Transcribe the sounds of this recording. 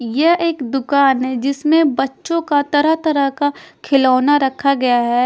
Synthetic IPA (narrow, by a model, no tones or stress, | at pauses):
jɛeːkd̪ʊkaːnɦɛd͡ʒɪsmẽbɐtːʃõkat̪ɐɾəɦt̪ɐɾəkakʰɪlaːnaɾɐkʰaɡɐjaɦɛː